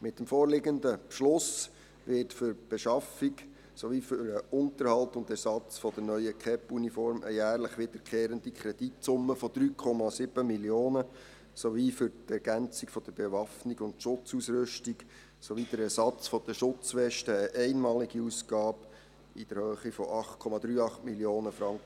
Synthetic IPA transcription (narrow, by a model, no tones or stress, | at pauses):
mɪtːəmfɔːɾlɪɡənd̪əpʃlʊs | ʋɪtfʏɾb̥eʃɑfik | sɔʋifʏɾəʊntəɾhɑltʊnd̪ɛɾsɑt͡sfɔd̥̪ənœʏəkχɛpunifɔɾmʔə̰jæːɾləχʋɪd̪̥əɾkʰχeːɾəndikʰɾɛd̥itsʊmːəfɔd̪̥ɾyːkʰɔmɑsɪb̥əmiljoːnə | sɔʋifʏɾtɛɾɡ̥ænt͡sikfɔd̥̪əɾbeʋɑfniɡʊndʃʊt͡susɾʏʃtiɡ̥ | sɔʋid̥̪əɾɛɾsɑt͡sfɔd̥̪əʃʊt͡sʋɛʃtəːʔɛɪnmɑːliɡ̥iuskɑːb | id̥əɾhøːχifɔʔɑχtkʰɔmɑd̪ɾyːɑχtmiljoːnəfɾɑŋkʰə